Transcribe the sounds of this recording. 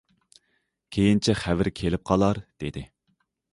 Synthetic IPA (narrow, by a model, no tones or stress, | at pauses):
kʲʰejint͡ʃʰɛχævɪɾkʲʰelɪp̚qʰɑlˠɑɾd̪̥ed̪ɪ